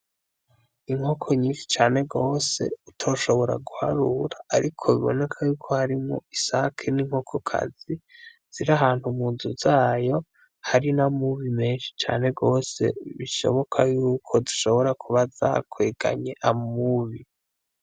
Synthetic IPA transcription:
iŋ̥hokʰo̞ɲiːnʃi̥t͡ʃaːne̞ɡo̞ːse̞̰utʰo̞ʃo̞βo̞ɾa̰ɡuha̰ɾuɾaːɾikʰo̞βḭβo̞̰ne̞kʰajuːkʰo̞haɾimŋo̞̰isakʰeniːŋ̥ho̞kʰokʰa̰z̥i | z̥iɾaɦaːn̥humuːnzuzaːjo̞ | haɾinamuβimeːnʃi̥t͡ʃa̰ːne̞ɡo̞ːse̞̰βiʃo̞̰βo̞kʰajuːkʰo̞duʃo̞βo̞ɾakʰuβaza̰kʰweɡ̥a̰ɲe̞ʔamuβi

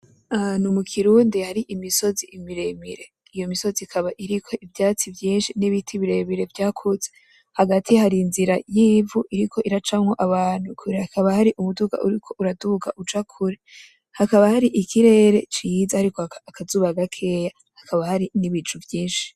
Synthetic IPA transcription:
anumukʰiɾuːndihaɾiʔimiso̞ziimiɾe̞miɾe̞ | ijo̞miso̞zikʰaβaʔiɾikʰo̞ʔivjaːt͡sivjiːnʃiniβitʰiβiɾe̞miɾe̞vjaːkʰoze | haɡatʰihaɾinziɾajiːvuʔiɾikʰo̞ʔiɾat͡ʃamŋo̞ʔaβaːn̥hukʰuɾehakaβahaɾiʔumuduɡa̰ʔṵɾikʰo̞uɾaduɡa̰ʔud͡ʒakʰuɾe | hakaβahaɾiʔikiɾe̞ːɾe̞t͡ʃijizahaɾikoːkʰazuːβaɡakʰe̞ja | hakʰaβahaɾiniβid͡ʒuvjiːnʃi̥

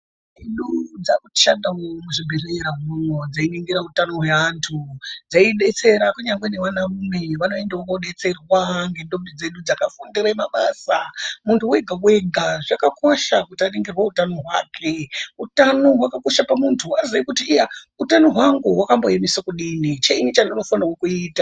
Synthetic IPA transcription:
iɗud͡zakui̥ʃandaomuʐibʱireɾaɦumwod͡zainiŋɡiɾautanoɦwe̞antʰud͡zaiɗe̞t͡se̞ɾakuɲaŋɡwene̞ʋanaʋume̞ʋano̞e̞ndaokauɗe̞t͡se̞rwaŋɡe̞ndomdid͡ze̞ɗud͡zakafundiɾaimaɓasamuntʰuɦwe̞ɡʱaɦwe̞ɡʱaʐakako̞ʃakutianeŋɡirwautano̞ɦwa̰ːkʰe̞utano̞ɦwakako̞ʃapamuntʰuwazaikutiːja | utanoɦwaŋɡuwakamboemisakuɗinit͡ʃeinit͡ʃanonofanawokuiːta

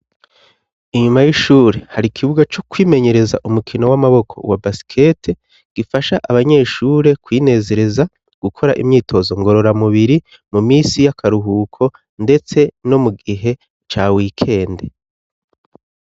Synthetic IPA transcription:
iɲumajiʃuːɾe̞haɾikʰiβuɡat͡ʃo̞kwiːme̞ɲe̞ɾe̞za̰ʔumukʰino̞wamaβo̞kʰo̞̰wabasi̥kʰe̞tʰe | ɡ̥ifaʃaʔaβaɲe̞ːʃuːɾe̞kwiːne̞ːze̞ɾe̞za | ɡ̥ukʰo̞ɾaʔḭmɲiːtʰo̞zo̞ŋɡo̞ɾo̞ɾamuβiɾi | mumiːsijakʰaɾuɦuːkʰo̞ | nde̞t͡se̞no̞muɡiɦe̞ | t͡ʃaːwiːkʰe̞ːnde̞

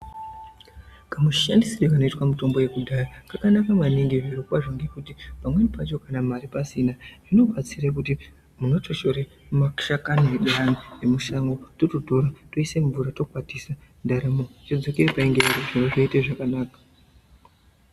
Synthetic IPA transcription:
kamuʃandisirikano̞itwamito̞mbo̞je̞kuɗarakakanakamwaniŋɡiʐiʐokwaʐoŋɡe̞kutipamwe̞nipat͡ʃo̞kanamaɾipasinaʐ̥ino̞ɓat͡sirak̬uti | muno̞t͡ʃoʃo̞ɾe | maʃakanoeɗaaniemuʃaŋɡo̞tototo̞ɾatoise̞ɱvuɾato̞kwatisandaɾamo̞t͡ʃod͡zo̞keɾepaeŋɡereɾoʐinoʐaiteʐakanaːkḁ

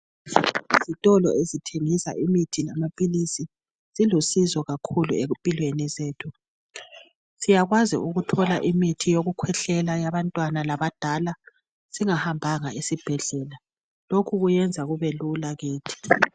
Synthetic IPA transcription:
izitʼɔlɔ̰ezitʰeŋisa̰ʔimitʰinamapʼilisi | z̥ilusizɔɣakʰulṵepʼilwenizeːtʰu | sijaɣwazḭuɣutʰɔla̰ʔimitʰijoɣukʰwɛɬɛlajaβantʼwanalaβad̥ʱala | z̥iŋahambʱaŋaisib̥ʱɛɮɛːla | lokʰuɣujɛnd͡zʱaɣuβelulaɣiːtʰi̥

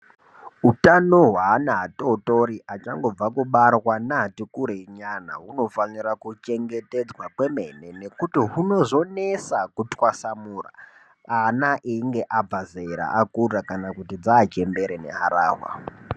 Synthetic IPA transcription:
utano̞ɦwaːnaɦato̞to̞ɾiʔat͡ʃaŋɡo̞b͡vakuɓarwanaɦatikuɾeɲana̰ɦuno̞faniɾakut͡ʃe̞ŋɡe̞te̞d͡zwakwe̞me̞ne̞ne̞kutiɦuno̞ʐo̞nesakutwasamura̰ | anaʔiːŋɡe̞ʔab͡vazeɾa̰ʔakurakanakutid͡zaːt͡ʃe̞mbe̞ɾene̞̰ɦaɾa̰ːɦwa̰

